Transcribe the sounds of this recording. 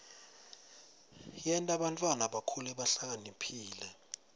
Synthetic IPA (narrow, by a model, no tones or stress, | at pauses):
jɛntʼaɓantʼwanaɓakʰulɛɓaɬak̬ʼanipʰiːlɛ